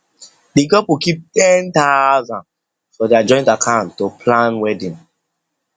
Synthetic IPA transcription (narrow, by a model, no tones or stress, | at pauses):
diɡɔpikip̚tɛ̃ntazãn | fɔdead͡ʒɔ̃ɪ̃ntakʰãʊ̃ntːopʰlãnwɛdĩŋ